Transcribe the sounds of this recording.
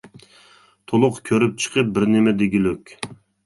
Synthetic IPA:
t̪ʰolˠʊqkʲʰøɾyp̚t͡ʃʰə̥qʰəp̚bɪɾnɪmɛd̪eɡʲilykʲ

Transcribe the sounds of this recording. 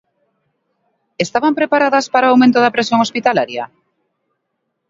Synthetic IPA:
est̪aβampɾepaɾaðɐspaɾaawmẽnt̪oðapɾesjõŋospit̪alaɾja̰

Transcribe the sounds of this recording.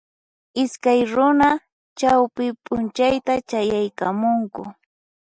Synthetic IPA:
ɪskajɾʊna | t͡ʃawpɪpʼʊnt͡ʃajt̪at͡ʃajajkamʊŋkʊ

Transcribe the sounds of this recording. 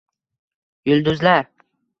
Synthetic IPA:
jʊld̪ʊzlaɾ

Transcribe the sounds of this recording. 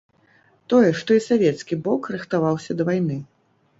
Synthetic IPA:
t̪ɔjɛʂt̪ɔisavʲɛt̪skʲibɔkrɨxt̪avawsʲɐd̪ɐvajnɨ

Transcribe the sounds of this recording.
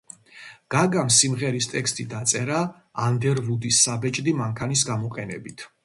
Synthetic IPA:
ɡ̥aɡamsimʁɛɾist̪ʼɛkst̪ʼid̪at̪sʼɛɾaː | nd̪ɛɾvud̪isːabɛt͡ʃʼd̪imaŋkʰanisɡamɔqʼɛnɛbit̪ʰ

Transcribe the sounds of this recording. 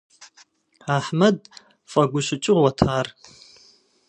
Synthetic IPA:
aħmad | fʼaɡʷʊʃʷɪt͡ʃʼʊʁwatʰaːr

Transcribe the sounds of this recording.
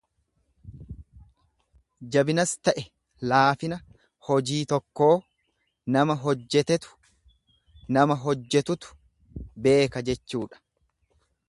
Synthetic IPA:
d͡ʒɐbɪnɐst̪ɐʔɛ | laːfɪnɐ | hɔd͡ʒiːt̪ɔkːo̞ː | nɐmɐɦɔd͡ʒːɛt̪ɛt̪ʊ̥ | nɐmɐɦɔd͡ʒːɛt̪ʊt̪ʊ̥ | be̞ːkɐd͡ʒɛt͡ʃːuːᶑɐ̥

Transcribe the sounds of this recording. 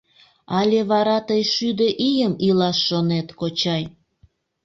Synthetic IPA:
ɑlʲeβɑɾɑt̪əjʃyd̪əʔijəmilɑʃːonet̪kot͡ɕɑj

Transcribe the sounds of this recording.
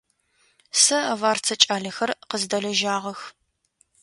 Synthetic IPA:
sɐɐvaːrt͡sʰɐt͡ʃʼaːɮɐxɐrqəzdɐɮɐʒaːʁɐx

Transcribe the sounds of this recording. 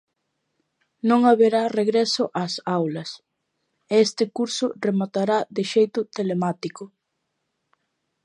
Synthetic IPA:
nõŋaβeɾareɣɾesʊʔasawlɐs | eest̪ɪkuɾsʊremat̪aɾad̪ɪʃejt̪ʊt̪elemat̪ikʊ

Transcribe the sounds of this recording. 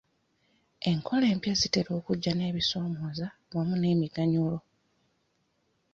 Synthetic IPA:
e̞ŋkʰo̞le̞ːmpjasiteɾo̞ːkuɟːane̞ːβiso̞ːmoːzawamune̞ːmiɡaɲulo̞

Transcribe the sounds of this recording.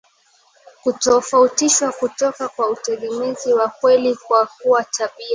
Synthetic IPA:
kutɔfautiʃwakutɔkakwautɛɠɛmiziwakwɛlikwak̚uwataɓia

